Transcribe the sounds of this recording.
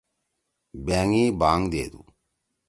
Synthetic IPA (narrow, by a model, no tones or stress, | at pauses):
bɛːŋiːbaːŋd̪eːd̪ṵ